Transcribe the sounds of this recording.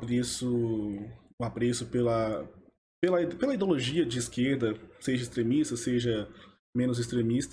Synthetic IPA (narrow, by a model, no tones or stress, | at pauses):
pɾesʊ | ʊapɾesʊpelɐ | pelɐipelɐid̪eoloʒiɐd͡ʒɪːskeɾd̪ɐseʒɐist̪ɾemist̪ɐseʒɐ | mẽnʊzist̪ɾemist̪